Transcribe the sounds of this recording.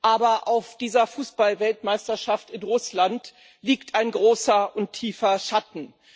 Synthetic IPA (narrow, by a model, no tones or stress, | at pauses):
ʔaːbɐʔaʊfd̥iːzɐfuːsb̥alvɛltmaɪstɐʃaftɪnʁʊslant | liːktʰaɪnɡʁoːsɐʔʊntʰːiːfɐʃatn̩